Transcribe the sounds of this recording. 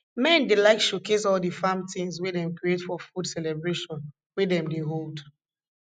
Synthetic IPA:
mɛ̃ndilaɪtʃokes̬ɔlˠdifãmtĩŋswedɛ̃mkɹietfɔfudsɛlɛbɹeʃɔ̃n | wedɛ̃mdeɦold

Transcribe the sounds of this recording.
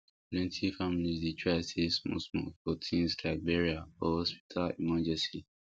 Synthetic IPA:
plɛ̃ntʰifamilizditʰɹaɪsesmɔ̰smɔ̰kfɔtʰĩnsɡaɪbɛɹiaɔhɔspi̥tʰalḭmãd͡ʒɛsi

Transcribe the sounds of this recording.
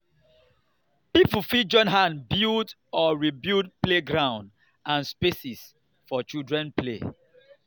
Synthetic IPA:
pipufid͡ʒɔ̃nɦãnbild | ɔɹibidpleɡɹãʊ̃nd | ãnspesis | fɔt͡ʃidɹɛ̃nplḛ

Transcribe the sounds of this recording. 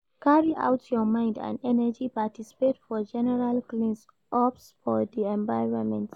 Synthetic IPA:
kʰaɹiʔa̰ʊtʰjɔmãɪ̃ndã̰nɛnəd͡ʒipatisi̥petfɔd͡ʒɛnɛɹalklĩns | ʔɔpsfɔðiɛ̃ɱvaɪɹɔ̃nmɛ̰̃nt

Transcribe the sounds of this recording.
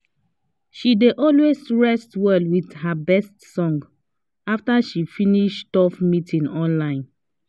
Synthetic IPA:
ʃideʔɔlwesɹɛstwɛlwiðhabɛstsɔ̃ŋɡ | aftaʃifiniʃtɔfmitʰĩnɔ̃nlãɪ̃n

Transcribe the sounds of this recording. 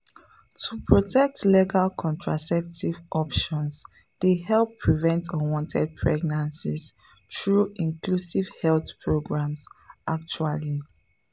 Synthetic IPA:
tʰupʰɹɔtʰɛk̚tleɡalkʰɔ̃ntʰɹasɛp̚tivʔɔpʃɔ̃ns | d̥ehɛlˠpʰːɹivɛ̃ntʰɔwɔ̃ntʰɛd̚pʰɹɛɡnãnsis | tɹuĩnklusiv̥hɛlθpʰɹoɡɹãmsak̚t͡ʃuali

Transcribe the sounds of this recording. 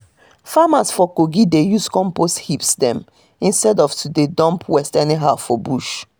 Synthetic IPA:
famasfɔkoɡidejuskɔ̃mposthipsdɛ̃m | ĩnstɛdɔvtʰudedɔ̃mpʰwɛstɛniɦaʊfɔbuʃ

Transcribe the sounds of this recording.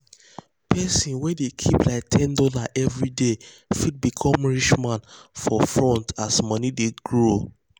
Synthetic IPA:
pʰɛsĩnwɛdekʰiplaɪk̚tʰɛ̃ndɔlaʔɛvɹide | fid̚bikʰɔ̃mɹit͡ʃmãnfɔfɹɔ̃ntasmɔnideɡɹo

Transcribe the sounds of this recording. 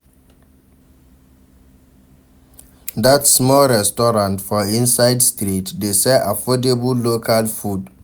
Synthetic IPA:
datsmɔlɹɛstɔɹãntfɔĩnsaɪdstɹitdesɛafɔdebəlokʰalfud

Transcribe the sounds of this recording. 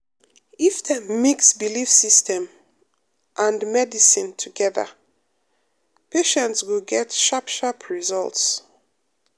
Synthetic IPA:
ifðəmiksbilifsistʰɛ̃m | ʔãndmɛdisĩntʰuɡɛðə̰ | peʃɛ̃ntswilɡɛtʃapʃapʰɹizɔ̰lˠts

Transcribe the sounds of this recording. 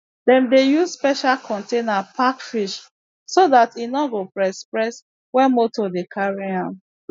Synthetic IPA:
dɛ̃mdejuzspɛʃalkʰɔ̃ntenapakfiʃ | soðatinɔɡopɹɛspɹɛs | wɛ̃nmotɔdekʰaɹiãm

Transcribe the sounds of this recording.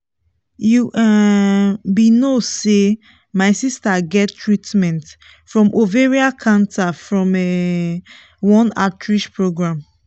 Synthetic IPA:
juʔa | binose | maɪsistaɡɛtʰːɹitmɛ̃nt | fɹɔ̃mʔoveɹiakʰãntʰafɹɔ̃mɛ | wɔ̃natʰɹiʃpɹoɡɹãm

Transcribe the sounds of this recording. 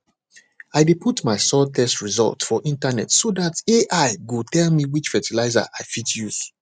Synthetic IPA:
aɪdepʰutmaɪsɔtʰɛstɹizɔ̰lˠtfɔʔĩntanɛ̰tsodateʔaɪɡutʰɛlmiwit͡ʃfɛtilaɪza̰ʔaɪfitjuz̥

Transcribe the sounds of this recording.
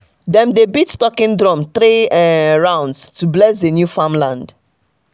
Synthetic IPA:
dɛ̃mdebitstɔkĩndɹɔ̃mt̪ɾeɛ̃ɹãʊ̃ndstublɛsdenjufãmlãnd

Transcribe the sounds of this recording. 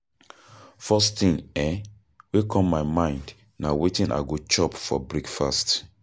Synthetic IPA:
fɔsθĩŋɛ | wekʰɔ̃mːaɪmãɪ̃nd | nawetĩnʔa̰ɪɡot͡ʃɔpfɔ̰bɹekfast

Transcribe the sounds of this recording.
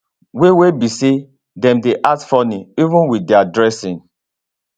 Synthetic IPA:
wewebise | dɛ̃mdeʔatfɔniivũnwidɛadɹɛsĩn

